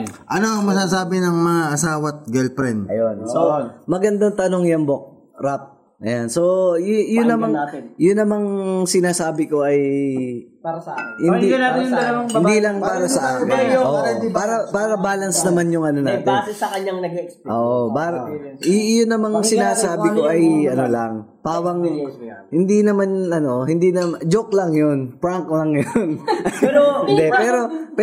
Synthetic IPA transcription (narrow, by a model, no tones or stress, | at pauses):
ʔɐnoɐŋmɐsaːsaːbɪnɐŋmɐŋaʔɐsaːwɐt̪̚ɡɛlpɾɛnɐjonsomɐɡɐnd̪ɐŋt̪ɐnoŋjɐmbok̚ | ɾap̚ | ʔɐjanso̞jʊnːɐmaŋjʊnːɐmaŋsɪnaːsaːbɪko̞ʔɐj | paɾɐsɐʔahɪnd̪iad̪ɐlɐwɐŋɪnd̪ilɐŋpaːɾɐsɐʔaːkɪoʔ̪paːɾɐpaːɾɐbaːlɐnsnɐmanjʊŋʔɐnonaːt̪ɪnsɐkɐɲɐŋnɐɡkʔo̰ːʔopaːɾɐ | jʊnːɐmaŋsɪnaːsaːbɪko̞ʔɐjɐnolɐŋpaːwɐŋhɪnd̪inɐmanɐno̞hɪnd̪inɐmd͡ʒok̚lɐŋjonpɹaŋklɐŋjon | hɪnd̪ɛpɛːɾo̞p